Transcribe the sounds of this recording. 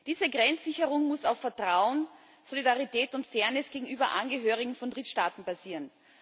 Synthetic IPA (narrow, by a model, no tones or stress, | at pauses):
d̥iːzəɡʁɛnt͡sz̥ɪçəʁʊŋmʊsaʊfːɛɐtʁ̥aʊən | z̥olidaʁitɛːtʊntfɛɐnɛsɡ̥eːɡŋ̩ʔyːbɐʔanɡəɦøːʁɪɡŋ̩fɔndʁɪtʃtaːtn̩baziːʁən